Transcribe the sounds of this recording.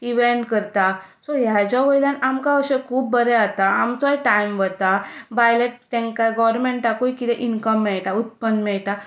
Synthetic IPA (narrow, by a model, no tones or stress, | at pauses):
iʋeɳʈkəɾt̪asɔɦjad͡ʑaʋəjlanamkaəɕekʰuːpːəɾɛat̪aamt͡sɔjʈajmʋət̪abajleʈ̚t̪ɛ̃ŋkaɡɔʋɾmẽɳʈakojkit̪ɛʔinkəmːɛɭʈaut̪̚pənd̪mɛɭʈ̪a